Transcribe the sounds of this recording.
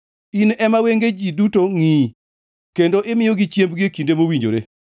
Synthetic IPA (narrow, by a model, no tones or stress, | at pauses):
inɛmaweŋɡed͡ʒidutoŋi | kendoʔɪmɪjoɡɪt͡ʃjembɡiekindemowiɲd͡ʒo̰ɾe